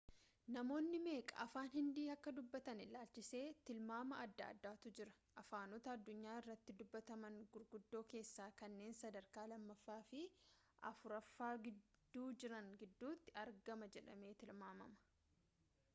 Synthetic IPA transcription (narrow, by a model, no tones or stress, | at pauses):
nɐmo̞ːnːɪme̞ːkʼɐ̰ʔɐfaːnhɪnd̪iːɐkːɐd̪ʊbːɐt̪ɐnɪlaːlt͡ʃɪse̞ːt̪ɪlmaːmɐɐd̪ːa̰ːd̪ːaːt̪ʊd͡ʒɪɾɐ̥ | ʔɐfaːnɔt̪ɐːd̪ːʊɲːaːɪrːɐt̪ːɪd̪ʊbːɐt̪ɐmɐŋɡʊɾɡʊd̪ːo̞ːke̞ːsːaːkɐnːe̞ːnsɐd̪ɐɾkaːlɐmːɐfːaːfɪ | ʔɐ̰fʊɾɐfːaːɡɪd̪ːuːd͡ʒɪɾɐŋɡɪd̪ːuːt̪ːɪɐɾɡɐmɐd͡ʒɛᶑɐ̰me̞ːt̪ɪlmaːmɐmɐ̥